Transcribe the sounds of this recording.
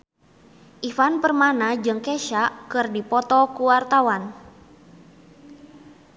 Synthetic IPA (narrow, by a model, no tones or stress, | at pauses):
ʔifanpərmanad͡ʒɨŋkɛʃaʔkɨrdipɔt̪ɔkuwart̪awan